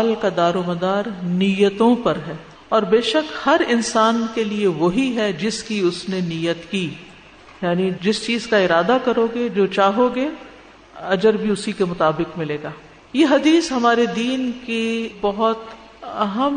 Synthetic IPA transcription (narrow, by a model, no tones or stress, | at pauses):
lkad̪aːɾoːmɐd̪aːɾniːjət̪õpɐɾɦɛː | ɔːɾbeːʃəkhɐɾɪnsaːnkelieʋoɦiɦɛd͡ʒɪskiʊsneniːjət̪kiː | jaːnid͡ʒɪst͡ʃiːzkaɪɾaːd̪akɐɾoːɡed͡ʒoːt͡ʃaːɦoːɡe | ɐd͡ʒəɾbʱiʊsikemʊt̪aːbɪkmɪleːɡaː | jeɦɐd̪iːsɦɐmaːɾed̪iːnkibɐɦʊt̪ | ɐɦəm